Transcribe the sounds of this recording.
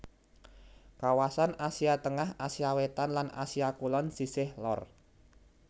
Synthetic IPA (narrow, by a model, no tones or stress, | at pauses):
kawasanasiat̪əŋahasiawet̪anlana̰siakulɔnsisɪhlɔ̰r